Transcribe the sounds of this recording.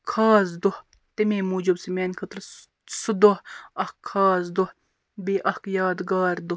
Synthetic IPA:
kʰaːzd̪oh | t̪emeːmuːd͡ʒubsimeːnʲkʰɐt̪ɾ | sud̪ohɐhkʰːaːzd̪oh | beːʔɐhkjaːd̪ɡaːɾd̪ʊ

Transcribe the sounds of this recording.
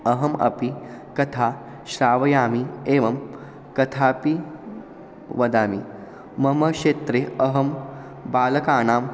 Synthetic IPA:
ɐɦɐmɐ̰pikɐt̪ʰaː | ʃɾaːʋɐjaːmieːʋɐm | kɐt̪ʰaːpi | ʋɐd̪aːmi | mɐmɐʃeːt̪ɾeɐɦɐm | baːlɐkaːnaːm

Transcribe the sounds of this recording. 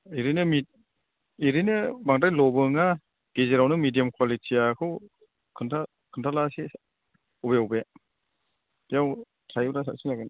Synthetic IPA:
iɾinɯmi | iɾinɯbaŋdajlɔbɯŋa | ɡ̥ezeɾawnɯmidijamkʰwalitʰijakʰɯw | kʰɯntʰa | kʰɯntʰalasi | ɔbeawbe | jaw | tʰajbɾasasinaɡɯn

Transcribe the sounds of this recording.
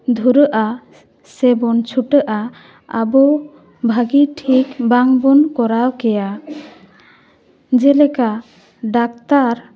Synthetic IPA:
d̪ʱuɾəʔa | sɛbɔnt͡ʃʰuʈəʔa | a̰bɔ | bʱaɡiʈʰikbaŋbɔnkɔɾawkɛja | d͡ʒɛlɛka | ɖak̚t̪aɾ

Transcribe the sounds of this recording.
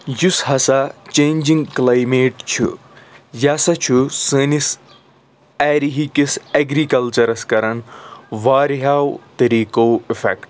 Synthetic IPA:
jusɦɐsat͡ʃẽːnd͡ʒiŋɡklaːjmeːʈt͡ʃʰṵ | jasɐt͡ʃʰusɨnis | aːɾiɦikiseɡɾikɐlt͡ʃɐɾɐskɐɾɐnʋaːɾiɦaːwt̪ɐɾiːkoːifḛkʈ

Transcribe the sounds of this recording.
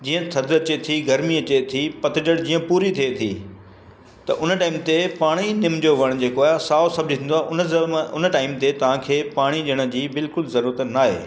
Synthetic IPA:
d͡ʑiːə̃t̪ʰɐd̪ɐt͡ɕet̪ʰiɡɐɾmiɐt͡ɕet̪ʰipɐt̪ɪd͡ʑəɽd͡ʑiːə̃puːɾit̪ʰiet̪ʰḭː | t̪ɐʔʊnə̆ʈaːɪmt̪epaːɽ̃inɪmd͡ʑoʋɐɽ̃d͡ʑeːkoaːsaːosɐbd͡ʑʱt̪ʰĩːnd̪waːʔʊnəzəmʊnəʈaːɪmt̪et̪ɐʋ̤ãkʰeːpaːɽ̃iɗɪɽ̃ə̆d͡ʑiːbɪlkʊlzɐɾuːɾət̪naːɦḛː

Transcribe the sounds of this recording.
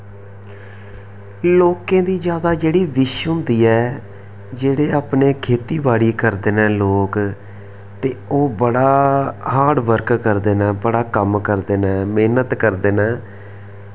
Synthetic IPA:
loːkẽːd̪iːd͡ʒjaːd̪aːd͡ʒeːɽiːʋɪʃɦʊ̃nd̪iːɛː | d͡ʒeːɽeːaːpneːkʰeːt̪iːbaːɽiːkəɾd̪eːnɛ̃ːloːk | t̪eːoːbəɽaːhaːɽʋəɾkkəɾd̪eːnɛ̃ːbəɽaːkəmkəɾd̪eːnɛ̃ːmeːnət̪kəɾd̪eːnɛ̃ː

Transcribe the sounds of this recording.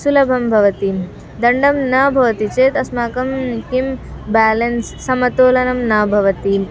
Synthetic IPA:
sulɐbʱɐmbʱɐʋɐt̪i | d̪ɐɳɖɐmnɐbʱɐʋɐt̪it͡ʃeːt̪ɐsmaːkɐmkim | baːlɐnsːɐmɐt̪oːlɐnɐmnɐːbʱɐʋɐt̪i

